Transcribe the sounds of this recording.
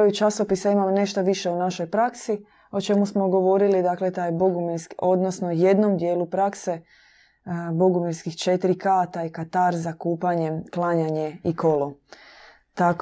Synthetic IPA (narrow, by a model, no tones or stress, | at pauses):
ojut͡ʃaso̞pisaimamne̞ʃt̪aʋiʃe̞unaʃo̞jpɾaksi | o̞t͡ʃe̞musmo̞ɡo̞ʋo̞ɾilid̪akle̞t̪aːjbo̞ɡumiɾskiʔo̞d̪nosnoje̞d̪nomd̪jeːlupɾakse̞ | bo̞ɡumiɾskixt͡ʃe̞t̪ɾikat̪aːjkat̪aɾzakuːpaɲe̞mklˠaɲaɲe̞iko̞lo | t̪ak